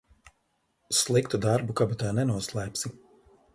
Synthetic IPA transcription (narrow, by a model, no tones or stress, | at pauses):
slˠikt̪ud̪aɾbukabat̪aːnɛnuɔslˠajpʲsi